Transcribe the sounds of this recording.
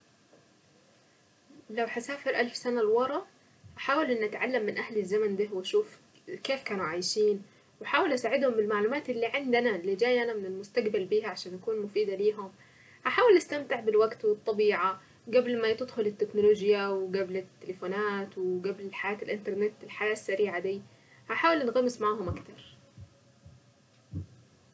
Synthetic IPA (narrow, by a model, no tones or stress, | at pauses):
lawhasæːfɪɾʔalfsænalwɑɾˤɑʔ | haħaːwɪlʔɪnːʔæt̪ʕalːamːɪnʔæhlɪzːæmænd̪aɦwɪʃuːf | keːfkæːnuʕajʃiːn | wɪħaːwɪlʔasaːʕɪd̪hʊmbɪlmaʕluːmæːt̪ʔelːiːʕend̪ænælid͡ʒæːjʔænæmɪnɪlmʊst̪aɡbalbiːhæʕaʃæːnʔakuːnmʊfiːd̪æliːɦʊm | haħaːwɪlʔast̪amt̪ɪʕbɪlwaɡt̪wɨt̪ˤːɑbiːʕa | ɡablmat̪ɪd̪xʊlɪt̪ːeknʊloːʒjawɡablɪt̪ːelefoːnaːt̪wɪɡæblħajaːt̪ɪlʔɪnt̪ɑɾˤnet̪ːɪlħajaːsːaɾiːʕad̪iː | haħaːwɪlnɣɑmːɪsmaʕaːɦʊmʔakt̪ɑɾˤ